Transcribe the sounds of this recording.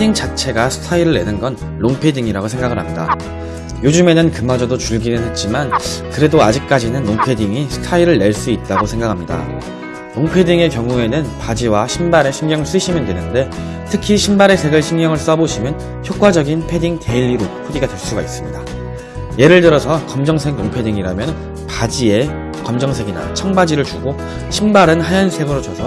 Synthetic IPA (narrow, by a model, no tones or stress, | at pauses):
pʰediŋt͡ɕat͡ɕʰe̞ɡasʰɯ̥tʰaiɾɯɭːe̞nɯnɡʌnːoŋpʰe̞diŋiɾaɡosʰe̞ŋɡaɡɯɭɾɦamɲida̰ | jod͡ʑume̞nɯnkɯmad͡ʑʌdot͡ɕuɭɡinɯnɦe̞t̚t͡ɕ͈imankɯɾe̞doad͡ʑik̚k͈ad͡ʑinɯnːoŋpʰe̞diŋisʰɯ̥tʰaiɾɯɭːeɭs͈uit̚t͈aɡosʰe̞ŋɡakʰamɲida̰ | ɾoŋpʰe̞diŋe̞kjʌŋue̞nɯnpad͡ʑiwaɕʰimbaɾe̞ɕʰimɡjʌŋɯɭs͈ɯɕʰimjʌndwe̞nɯnde̞ | tʰɯkʰiɕʰimbaɾe̞sʰe̞ɡɯɭɕʰimɡjʌŋɯɭs͈ʌboɕʰimjʌn | çjok͈wad͡ʑʌɡinpʰe̞diŋte̞iʎːiɾopʰudiɡadwe̞ɭs͈uɡais͈ɯmɲida | je̞ɾɯɭtɯɾʌsʰʌkʌmd͡ʑʌŋsʰeɡ̚noŋpʰe̞diŋiɾamjʌn | pad͡ʑie̞ | kʌmd͡ʑʌŋsʰe̞ɡina̰t͡ɕʰaŋbad͡ʑiɾɯɭt͡ɕuɡo | ɕʰimbaɾɯnhajʌnsʰe̞ɡɯɾot͡ɕʌsʰʌ